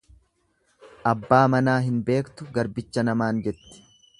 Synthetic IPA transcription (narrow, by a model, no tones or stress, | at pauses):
ʔɐbːaːmɐnaːɦɪnbe̞ːkt̪ʊɡɐɾbɪt͡ʃːɐnɐmaːnd͡ʒɛt̪ːɪ̥